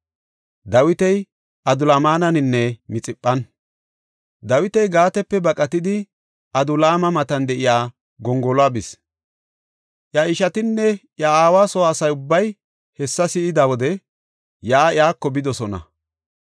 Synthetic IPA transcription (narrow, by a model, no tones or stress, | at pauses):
d̪ɐwɪt̪ɛj | ʔɐd̪ʊlaːmaːnɐnɪnːɛmɪt͡sʼɪpʼːɐn | d̪ɐwɪt̪ɛjɡaːt̪ɛpːɛbɐkʼɐt̪ɪd̪ɪ | ʔɐd̪ʊlaːmɐmɐt̪ɐnd̪ɛʔɪjaː | ɡɔŋɡɔlʊaːbɪs | ʔjɐɪʃɐt̪ɪnːɛʔjaaːwaːsɔaːsɐjʊbːɐj | hɛsːɐsɪɪd̪awɔd̪ɛ | jaːɪjaːkːɔbɪd̪ɔsɔnɐ̰